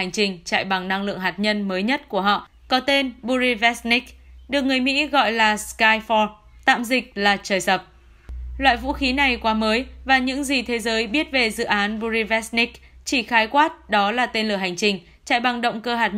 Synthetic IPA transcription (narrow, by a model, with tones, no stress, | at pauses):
a˨˩jŋ̟t͡ɕï˨˩ŋ̟t͡ɕa̰ː˧˨jɓa˨˩ŋna˧ŋlɨ̰˧˨əŋɦaː˨˩t̚ɲə˧nməː˨˦jɲə˦˥t̚ku˧˩əɦɔ̰˧˨ | kɔ˨˦t̪e˧nɓu˧zi˧vɛ˦˥sni˦˥k̚ɗɨ˨˩ək̚ŋɨ˨˩əjmḭ˧˥ɣɔ̰˧˨jlaː˨˩skaː˧jfɔ˧ | t̪a̰ː˧˨mzï˨˩k̟̚laː˨˩t͡ɕəː˨˩jsə˨˩p̚ | lwa̰ː˧˨jvṵ˧˥xi˨˦na˨˩jkwaː˨˦məː˨˦jvaː˨˩ɲɨ̰˧˥ŋzi˨˩t̪ʰe˨˦zəː˨˦jɓi˦˥ət̚ve˨˩zɨ̰˧˨ʔaː˨˦nɓu˧zi˧vɛ˦˥sni˦˥k̚t͡ɕi˧˩xaː˨˦jkwaː˦˥t̚ɗɔ˨˦laː˨˩t̪e˧nlɨ˨˩əɦa˨˩jŋ̟t͡ɕï˨˩ŋ̟ | t͡ɕa̰ː˧˨jɓa˨˩ŋɗə̰˧˨wŋ͡mkəː˧ɦaː˨˩t̚